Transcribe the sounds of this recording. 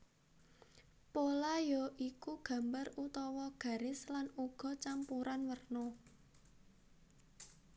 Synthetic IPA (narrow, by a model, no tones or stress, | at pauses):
polajɔʔikuɡ̥a̤mbarut̪ɔwɔɡ̥a̤ɾɪslanuɡ̥ɔ̤t͡ʃampuɾanwərnɔ